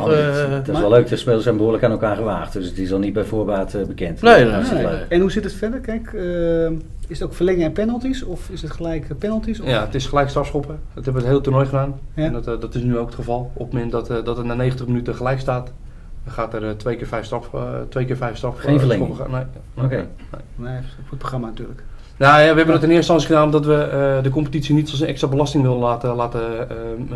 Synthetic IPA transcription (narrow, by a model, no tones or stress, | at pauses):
dɛløɥk̚dəspeːlˠəsɛjnbəɦuːləkaːnɛlˠkaːɹχəʋaːχtdøsətɪsɔlˠnid̚bɛjvoːbaːtəbəkɛntneløɛnhusɪtətfɛdərkɛjkə | ɪsətowkfərlɛŋəpɛnəlˠtisɔfɪsətχəlɛjkpɛnəlˠtisjaətɪsχəlɛjkstɑpsχopə | dɔthɛbəʋətɦeːlˠətornɔjχədaːnndɔtɪsnyowkətχəvɑlˠopəmɛntdɔtdɔtətnaːnejχən̩təχmənytəχəlɛjkstaːt | χaːtərtʋejkɪːɹfɛjfstrɑtʋejkɪːɹfɛjfstɑfenvəlɛŋopə̰ne | nḛjfətproxramanatyːlək | najaʋəɛbəndɔtənɪəstɑnsiχədaːnɔmdɔtʋədəkompətitsinitɔsənɛkstrabəlɑstɪŋʋɪlˠəlaːtəlaːtə